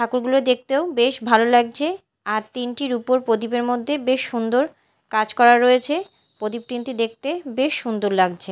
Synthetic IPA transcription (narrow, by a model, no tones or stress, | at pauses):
ʈʰakuɾɡuloed̪ek̚ʰt̪eobeʃbʱalolaɡ̚d͡ʑʰe | aɾt̪inʈiɾupoɾpod̪ipeɾmod̪ʱːebeʃːund̪oɾ | kad͡ʑkɔɾaɾːoet͡ɕʰe | pod̪ip̚pːɾint̪id̪ek̚t̪ebeʃːund̪oɾlaɡt͡ɕʰe